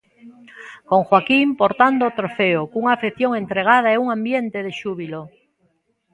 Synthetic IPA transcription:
koŋxwakimpoɾt̪and̪ot̪ɾofeokuŋaːfeθjoŋent̪ɾeɣ̞að̞aɛuŋãmbjent̪eðeʃuβilo

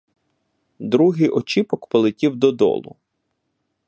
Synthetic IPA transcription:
d̪ɾuɦɪjʔɔt͡ʃipɔkpɔlˠɪtʲiwd̪ɔd̪ɔ̰lˠʊ̰

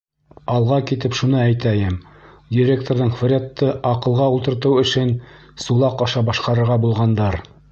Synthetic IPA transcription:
ɑlˠʁɑkit̪ɘpʃunɤæjt̪æjɘm | dʲiɾʲek̚t̪oɾðɤɴforʲat̪ːɤʔɑqɤ̆lˠʁɑulˠt̪ɤ̆ɾt̪ɤwɵ̆ʃɘn | sulˠɑqɑʃɑbɑʃqɑɾɤ̆ɾʁɑbulˠʁɑnd̪ɑɾ

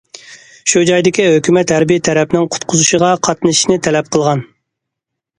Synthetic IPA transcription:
ʃud͡ʒɑjd̪ɪkʲiɦøkʲymɛt̪hæɾbijɪt̪ʰːɛɾɛpnɪŋqʰʊ̥t̪qʰʊzuʃəʁɑqʰɑt̪nɨʃinɪt̪ʰɛlɛp̚qʰəlˠʁɑn

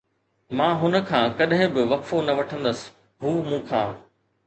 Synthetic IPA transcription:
mãːɦʊnə̆kʰãːkɐɗɦɪ̃bɪʋɐkfonɐʋɐʈʰə̃nd̪əsɪ̥̆ | ɦuːmũːkʰãː

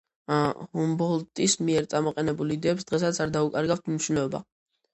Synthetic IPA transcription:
hɔmbɔlt̪ʼismiɛɾt̪sʼamɔqʼɛnɛbulid̪ɛːpsd̪̥ʁɛsat̪sʰaɾd̪aukʼaɾɡaft̪ʰmniʃunɛɔba̰

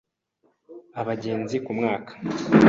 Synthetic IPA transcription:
aβaɟe̞ːnzikumŋaːkḁ

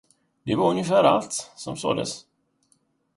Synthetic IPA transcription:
d̪̥ɛvaɾɵnjəfæːɾa̰lt̪sɔmso̰ːd̪ə̰s

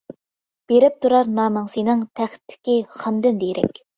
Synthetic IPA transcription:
b̥eɾɪp̚t̪ʰuɾɑɾnɑːmɑŋsinɨŋt̪ʰæχt̪ʰːɪ̥kʲiχɑmd̪ɪnd̪ejɾʔɛ̰kʲ

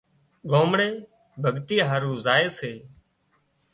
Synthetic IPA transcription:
ɠoːmɽeː | bʱəɠt̪iːɦaːɾũːzaːeːseː

